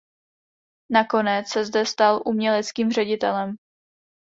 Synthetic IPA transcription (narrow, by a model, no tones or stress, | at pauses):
nako̞nɛt͡ssɛzdɛst̪alʔumɲɛlɛt͡skiːmr̝ɛɟɪt̪ɛlɛm